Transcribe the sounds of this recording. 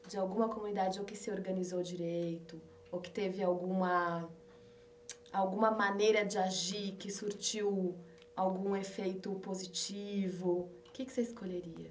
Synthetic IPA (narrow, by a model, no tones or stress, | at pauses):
d͡ʒɪawɡũmɐkomunid̪ad͡ʒɪokɪsɪoɾɡɐnizowd͡ʒiɾeejt̪ʊ | okɪ̥t̪evɪawɡũmɐ | awɡũmɐmɐ̃nejɾɐd͡ʒɪaʒikɪsuɾt͡ʃiw | awɡũefejt̪ʊpozit͡ʃivʊ | ʊkɪkɪ̥seɪskoʎeɾiɐ̰